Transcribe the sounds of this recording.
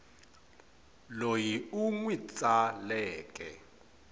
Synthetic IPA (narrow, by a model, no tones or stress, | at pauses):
lojiuŋwit͡sʼalɛːkʼɛ̰